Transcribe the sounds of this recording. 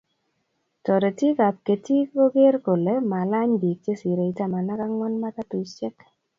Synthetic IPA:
tɔ˨ɾe˨ti˦ka˨p̚ke˨ti˦ko˦ɡe˦ɾko˨le˨˦ma˨la˦ɲbi˨k̚t͡ʃe˦si˨ɾe˨i˨ta˦ma˨na˦ka˦ŋwɔ˦nma˦ka˦tʊ˨t͡ʃɛ˦k

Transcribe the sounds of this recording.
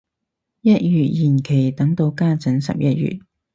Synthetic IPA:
jɐ˥t̚jyː˨t̚jiː˨˩nkʰe˨˩jt̪ɐ˨˥ŋt̪o˧wkaː˥t͡sɐ˨˥nsɐ̰˨p̚jɐ˥t̚jy̰˨t̚

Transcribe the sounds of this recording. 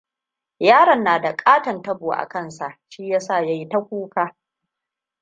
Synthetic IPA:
jaː˦ɽɐ˨nːaː˨da˨kʼaː˦tɐ˨ntɐ˦boː˨ʔa̰˨kɐ˦˨nsa˨ʔʃiː˦jaː˦sa˦˨ja˦ji˦tɐ˦kʷuː˦kaː˦

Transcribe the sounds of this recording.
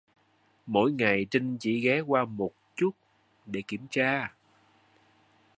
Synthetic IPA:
mo̰˧˥jŋa˨˩jt͡ɕi˧ŋt͡ɕḭ˧˩ɣɛ˨˦kwaː˧mo˨˩t̚t͡ɕu˦˥t̚ | ɗe˧˩ki˧˩əmt͡ɕaː˧

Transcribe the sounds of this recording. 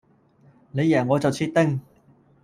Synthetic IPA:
ne˨˧jːɛː˨˩ŋːɔː˨˧t͡sɐ˨wt͡sʰiː˧t̪̚t̪ɪ˥ŋ

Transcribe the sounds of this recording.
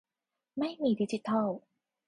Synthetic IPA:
ma˥˩jmiː˧di˦˥t͡ɕi˧˦t̪ʰa˥˩

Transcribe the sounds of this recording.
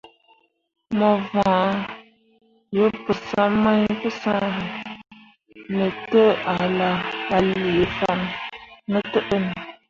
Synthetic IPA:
mɔ˨vã˨˦ | jə˨˦pɨ˨sa˦ma˦ɲpə˦sã˦ə˨ | nə˨tə˦a˨la˨a˨li˨e˨fa˦n˦nə˦tə˦ʔə˦nə˨

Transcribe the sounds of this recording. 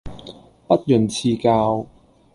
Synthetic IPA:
pɐ˥t̚jɵ˨˩nt͡sʰiː˧kaː˧w

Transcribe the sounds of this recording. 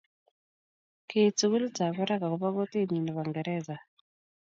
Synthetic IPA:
ket͡su˨ɣu˦li˦t͡sa˨βɔ˦ɾa˦ka˨ku˨βa˦ɣo˦te˦ni˨nɔ˨βa˨ŋɡɛɾɛza˨

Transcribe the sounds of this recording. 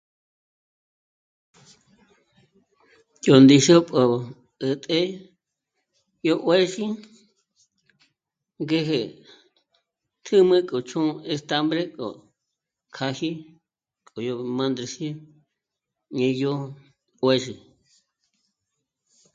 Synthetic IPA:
jo˨nd̪i˧ʃo˦pʼo˨ | ɨ˨t̪ʼe˦ | jo˦ʔwe˦ʃi˦ | ŋɡe˦ɦe˨ | t̪ʰɨ˦mɨ̃˦kʼo˨t͡ʃʰũ˦e˧st̪a˧mbɾe˦kʼo̰˨ | kʰa˧hi˦ | kʼo˨jo˧mã˧nd̪ɾe˧si˦ | ɲẽ˧jo˦ | we˦˧ʃi˨

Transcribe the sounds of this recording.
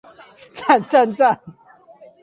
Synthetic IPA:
t͡sa˥˧nt͡sa˥˧nt͡sa˥˨n

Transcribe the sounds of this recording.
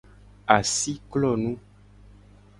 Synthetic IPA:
a˨si˦klɔ˦˨nũ˦

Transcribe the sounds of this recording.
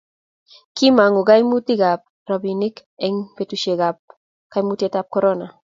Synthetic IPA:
ki˦ma˨ŋu˨ɡa˦jmu˦t̪i˦ɡa˨p̚ | ɾa˨bi˨ni˦kɛ˦ŋpe˦tu˨ʃe˨ɡa˨p̚ | ka˦jmu˦ti˦e˦tap̚kɔɾɔna˨

